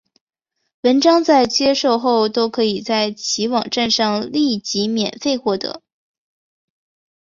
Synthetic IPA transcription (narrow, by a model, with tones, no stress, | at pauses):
wə˧˥nʈ͡ʂɑ˥ŋt͡sa˥˩ɪt͡ɕjɛ˥ʂo˥˧ʊxo˥˩ʊt̪o˥ʊkʰɤ˧˥i˨˩t͡sa˥˩ɪt͡ɕʰi˧˥wɑ˨˩ŋʈ͡ʂa˥˧nʂɑ˥˧ŋli˥˩t͡ɕi˧˥mjɛ˨˩nfe˥˧ɪxwɔ˥˩t̪ɤ̰˧˥